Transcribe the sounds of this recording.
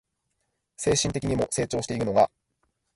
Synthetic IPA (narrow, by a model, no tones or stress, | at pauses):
se̞ːɕĩnt̪e̞kʲiɲ̟imo̞se̞ːt͡ɕo̞ːɕi̥t̪eiɾɯ̟no̞ɡa